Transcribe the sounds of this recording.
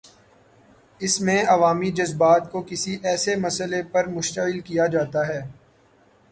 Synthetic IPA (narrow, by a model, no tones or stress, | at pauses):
ɪsmẽɐʋaːmid͡ʒɐzbaːt̪kokɪsiʔɛːsemɐsəlepɐɾmʊʃt̪əɣɪlkijad͡ʒaːt̪aɦɛː